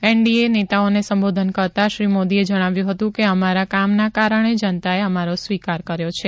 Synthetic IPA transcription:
eɳɖienet̪aonesəmbod̪ʱənkəɾt̪aʃɾimod̪ied͡ʒəɽ̃aʋjũɦət̪ũkeəmaɾakamnakaɾəɳ̃ed͡ʒənt̪aeəmaɾosʋikaɾkəɾjot͡ʃʰe

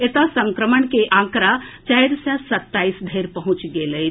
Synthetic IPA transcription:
et̪asə̃ŋkɾəməɳkeʔãːkɾat͡ʃajɾsasɐt̪ːaːisd̪ʱeːɾpɐɦʊ̃t͡ʃɡeləj

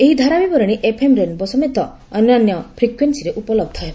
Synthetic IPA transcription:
eɦid̪ʱaɾabibɔɾɔɽ̃iʔepʰemɾenbɔsɔmet̪ɔː | njanjɔpʰɾikwensiɾeʔupɔlɔb̚d̪ʱɦe

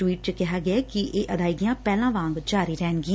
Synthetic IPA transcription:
ʋiːʈ̚t͡ʃəkɪɦaːɡɪaːkɪʔeːʔəd̪aːiɡɪjãːpɛːlãːʋãːŋɡd͡ʒaːɾiːɾɛːnɡɪ̃

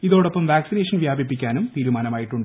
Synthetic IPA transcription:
iðo̞ːɽɐpːɐmʋaːksineːʂɐnʋjaːbʱipːikʲːaːnumt̪iːɾumaːnɐmaːjiʈːuɳɖɨ

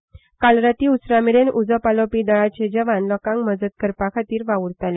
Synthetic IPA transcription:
kalɾat̪iːusɾamiɾenʔud͡zəpalopiːd̪əɭat͡ɕed͡ʑəʋãnlɔkãŋkməd͡zət̪̚kəɾpakʰat̪iːɾʋaʋuɾt̪ale

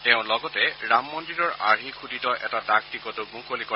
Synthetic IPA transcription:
tɛʊ̃lɔɡɔtɛɹamːɔndiɹɔɹa̰ɹikʰudʱitɔʔɛtadak̚tikɔtumukolikɔ

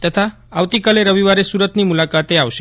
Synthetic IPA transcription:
t̪ət̪ʰa | aʋt̪ikaleɾəʋiʋaɾesuɾət̪nimulakat̪eaʋʃe

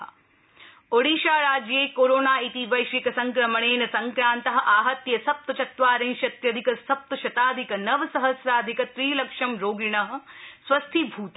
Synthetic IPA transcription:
oɽiːʃaːɾaːd͡ʒjeːkoːɾoːnaːit̪iʋɐjʃʋikɐsɐŋkɾɐmɐɳeːnɐsɐŋkɾaːnt̪ɐɦɐ̆ʔaːɦɐt̪jɐsɐp̚t̪ɐt͡ʃɐt̪ʋaːɾɐ̃ːʃɐt̪jɐd̪ʱikɐsɐp̚t̪ɐʃɐt̪aːd̪ʱikɐnɐʋɐsɐɦɐsɾaːd̪ʱikɐt̪ɾiːlɐkʂɐmɾoːɡiɳɐɦɐ̆sʋɐst̪ʰibʱuːt̪

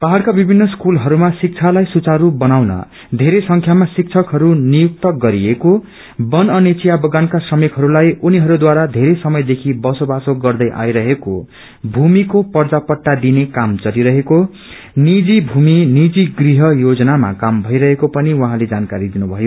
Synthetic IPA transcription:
paɦaɽkabibʱinːʌskulɦʌɾumasik̚t͡sʰalajsut͡saɾubʌnawnʌ̰ | d̪ʱeɾesʌŋkʰjamasik̚t͡sʰʌkɦʌɾunijuk̚t̪ʌɡʌɾieko | bʌnʌnet͡sijabʌɡankasrʌmekɦʌɾulajuniɦʌɾud̪waɾad̪ʱeɾesʌmʌjd̪ekʰibʌsobasoɡʌrd̪ʌjʔa̰jɾʌɦeko̰ | bʱumikopʌrd͡zapʌʈːad̪inekamd͡zʌɾiɾʌɦeko | nid͡zibʱuminid͡ziɡriɦʌjod͡zʌnama̰kambʱʌjɾʌɦekopʌniwʌɦãled͡zankaɾid̪inubʱʌjo

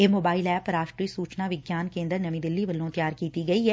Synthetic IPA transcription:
eːmoːbaːɪlɛːpɾaːʃʈɾiːsuːt͡ʃnaʋɪɡjaːnkẽːnd̪əɾnɐmĩd̪ɪlːiʋəlːõt̪jaːɾkiːt̪iɡɐiɦɛː

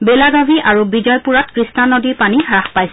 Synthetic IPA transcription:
belaɡabʱiʔaɹubid͡ʒɔjpuɹat̚kɹisnanodipanixaxpajsɛ

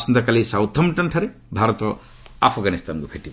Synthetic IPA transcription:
snd̪ɐkalisawt̪ʰɐmʈɐnʈʰɐɾe | bʱaɾɔt̪ɔ | apʰɡanist̪ankubʰʱeʈib

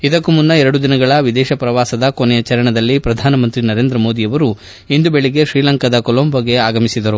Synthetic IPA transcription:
id̪ɐkːumunːɐɛɾɐɽud̪inɐɡɐɭɐʋid̪ɛːʃɐpɾɐʋaːsɐd̪ɐkonɛjɐt͡ʃɐɾɐɳɐd̪ɐlːipɾɐd̪ʱaːnɐmɐnt̪ɾinɐɾe̞ːnd̪ɾɐmo̞ːd̪ijɐʋɐɾu | ind̪ube̞ɭiɡe̞ʃɾiːlɐŋkɐd̪ɐkolombɐɡe̞aːɡɐmisid̪ɐɾu

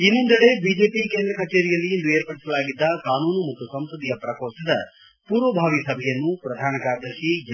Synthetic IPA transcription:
inːond̪ɐɽe̞biːd͡ʒe̞ːpikeːnd̪ɾɐkʰɐt͡ʃeːɾijɐlːiend̪ueːɾpɐɽisɐlaːɡid̪ːɐkaːnuːnumukʰɐsɐmsɾɐd̪ijɐpɾɐkoːsɐd̪ɐ̰ | puːɾʋɐbʱaːʋisɐbʱɛjɐnːupɾɐd̪ʱaːnɐkaːɾd̪ɐʃid͡ʒ

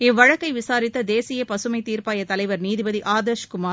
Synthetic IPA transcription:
ɪʋːɐɻɐkːɐɪʋɪsaːɾɪt̪ːɐd̪eːsɪjɐpɐsɯmɐɪt̪iːɾpaːjɐt̪ɐlɐɪʋɐɾniːðɪbɐðiʔaːd̪ɐɾʃkʊmaː

